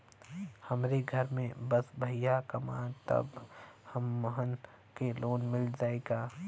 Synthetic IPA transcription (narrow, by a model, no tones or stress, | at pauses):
hɐmɾeɡʱɐɾmẽbəsbʱɐjakɐma̰ːt̪ɐ̰bhɐmːəɦən | keloːnmɪld͡ʒaːeɡaː